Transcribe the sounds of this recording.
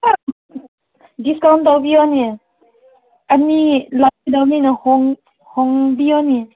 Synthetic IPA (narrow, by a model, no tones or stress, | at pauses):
a | diskawndawbiɔnia | ʔanilat̚idawninahɔŋ | hɔŋbiɔni